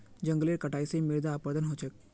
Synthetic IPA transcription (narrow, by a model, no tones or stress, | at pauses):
d͡ʒɐ̃ŋɡleːɾkəʈaːisemɪɾd̪aːpəɾd̪ənɦoːt͡ʃʰək̚